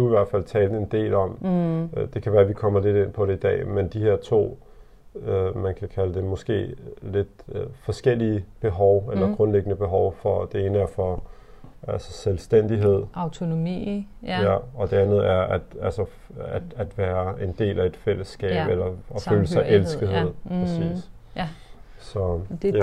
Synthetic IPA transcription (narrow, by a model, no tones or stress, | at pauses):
d̥uiʋæɐ̰d̥fæl̰t͡sʰɛːld̥̩e̝nd̥e̝̰ːlɒ̽m | d̥e̝kʰæʋæːɐʋikʰɒ̽m̰ɐle̝d̥e̝npʰɒ̽ɾ̥e̝id̥ɛ̰ːmend̥ihe̝ɐ̰t͡sʰo̝̰ː | ømænkʰækʰæləd̥emɔ̽sɡ̥e̝̰ːle̝d̥fɒ̽sɡ̥el̰iəb̥e̝ɦɒʊelɐɡ̥ʁɔ̽nleɡ̥ənəb̥e̝ɦɒʊfɒ̽d̥e̝e̝ːnəæɐfɒ | ʔælsɐ̥selsd̥en̰d̥iɦe̝ð̞̰ˠɑʊt͡sʰo̝no̝mḭ | jæɒ̽d̥e̝ænð̞̩ˠæɐæd̥ælsɐ | æd̥æd̥ʋæːɐe̝nd̥e̝̰ːlæe̝d̥fel̰əsːɡ̥ɛ̰ːb̥elɐɒ̽føːləsɑ̈ɪʔelsɡ̥ð̩ˠɦe̝ð̰ˠpʰsḭːs | sɒ̽